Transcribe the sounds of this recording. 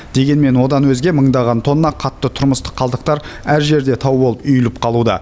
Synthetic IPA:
d̪̥e̞ɡʲe̞nme̞nwo̞d̪ɑnwɵzɡʲe̞məɴd̪ɑʁɑnt̪ʰo̞nːɑqʰɑt̪ːət̪ʰʊɾməst̪ə̥qʰːɑlˠd̪əqt̪ɑɾæɾʒe̞ɾd̪e̞t̪ʰɑwbolˠəpʏjɪlɪp̚qʰɑlˠud̪ɑ̰

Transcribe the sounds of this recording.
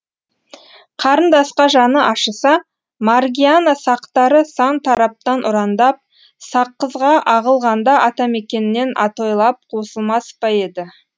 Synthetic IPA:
qʰɑɾənd̪ɑsqɑʒɑnəʔɑʃəsɑ | maɾɡʲijanasɑqt̪ɑɾəsɑnt̪ʰɑɾɑp̚t̪ɑnʔʊɾɑnd̪ɑp̚ | sɑqːəzʁɑʔɑʁəlˠʁɑnd̪ɑʔɑt̪ɑme̞kʲe̞nɪːe̞nʔɑt̪o̞jlˠɑp̚qʰo̞səlˠmɑspɑje̞d̪ɪ

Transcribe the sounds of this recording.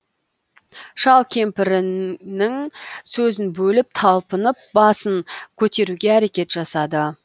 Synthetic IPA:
ʃɑlˠkʲʰe̞mpɪɾɪnɪŋsɵzɪnbɵlɪp̚t̪ʰɑlˠpənəp̚bɑsəŋkʲʰɵt̪e̞ɾuɡʲe̞æɾe̞kʲe̞t̪ʒɑsɑd̪ə

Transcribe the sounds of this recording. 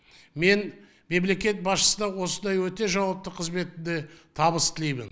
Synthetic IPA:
me̞n | me̞ble̞kʲe̞t̪̚bɑsʃə̥sənd̪ɑwo̞sənd̪ɑjwɵt̪e̞ʒɑwɑp̚t̪əqʰəzme̞t̪ɪnd̪ɪt̪ʰɑbəst̪ʰɪlejmɪn

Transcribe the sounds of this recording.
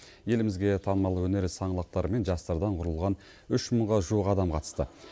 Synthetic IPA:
je̞lɪmɪzɡʲe̞t̪ʰɑnəmɑlˠəwɵne̞ɾsɑɴəlˠəq̚t̪ɑɾəme̞nʒɑst̪ɑɾd̪ɑɴqʰʊɾəlˠʁɑn | ʏʃməɴʁɑʒuəqɑd̪ɑmqʰɑt̪ə̥st̪ə

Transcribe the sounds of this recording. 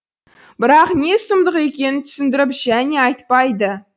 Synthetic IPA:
bɪɾɑqne̞səmd̪əqe̞kʲe̞nɪnt̪ʰʏ̥sɪnd̪ɪɾɪpʒæne̞ɑjt̪pɑjd̪ə

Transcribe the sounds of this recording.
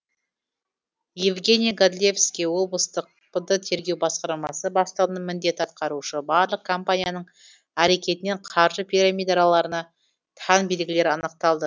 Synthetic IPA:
jevɡʲe̞nʲijaɡad̪lʲevskʲewo̞blˠəst̪əq̚pəd̪ət̪ʰe̞ɾɡʲe̞wbɑsqɑɾmɑsəbɑst̪əʁənəmɪnd̪e̞t̪ɑt̪̚qɑɾuʃəbɑɾlˠəq̚kʰo̞mpanʲijanəɴ | æɾe̞kʲe̞t̪ɪne̞ɴqʰɑɾʒəpʲʰiɾamʲijd̪ɑɾalˠɑɾənɑ | t̪ʰɑnbe̞lɡʲɪle̞ɾɑnəq̚t̪ɑlˠd̪ə

